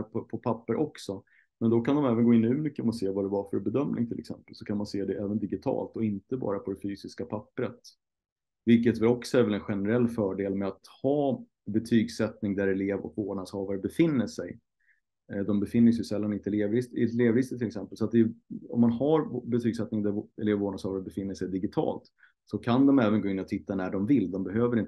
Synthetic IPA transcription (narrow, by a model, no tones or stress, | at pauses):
pʰɔpʰɔpʰapːəɾʔɔksɔ | mɛnd̪ɔkand̪ɔmɛːvənɡoːɪnːʉ̟mʏkːəmɔseːvad̪ɛvaɾfœɾbɛd̪œmnʔɪ̰ŋt̪ʰɪlʔɛ̰ksɛ̰mpəlsɔkʰanmanseːd̪ɛʔɛːvənd̪ɪɡɪt̪ʰɑ̰ːlt̪ɔɪnt̪əbɑ̰ːɾapʰɔd̪ɛfyːsɪskapʰapːɾət̪ | vɪlkət̪vɛlɔksɔæɾvɛlɛnɧɛnəɾɛlːfœːɖeːlmɛat̪hɑː | bɛt̪ʰyːɡsɛt̪nɪŋd̪æɾɛleːvɔ̰kvoːɖɳashɑːvaɾəbɛfɪnːəʂɛj | d̪ɔmbɛfɪnːəsjɵsɛlːanɪt̪əɛleːvɾɪst̪ɪt̪leːvɾɪst̪ət̪ʰɪlɛksɛmpəlsɔat̪̚d̪ɛɔ̰mːanhaɾbɛt̪ʰyːɡsɛt̪nɪŋd̪æɛleːvvoːɳashɑːvaɾəbɛfɪnːəʂɛjd̪ɪɡɪt̪ʰɑ̰ːlt̪ | sɔkʰand̪ɔmɛːvənɡoːɪnːɔt̪ʰɪt̪ːanæɖɔmvɪlːd̪ɔmbɛɦøːvəɾɪnt̪